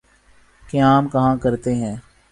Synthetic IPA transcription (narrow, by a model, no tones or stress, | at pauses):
keaːmkɐɦãkɐɾt̪eɦɛ̃ː